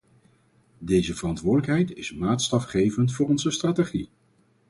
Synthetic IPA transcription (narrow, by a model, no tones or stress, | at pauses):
dejzəvərɑntʋʊːɹdələkɦɛjtɪsmaːtstɑfχejvəntfʊːrɔnzəstraːteχi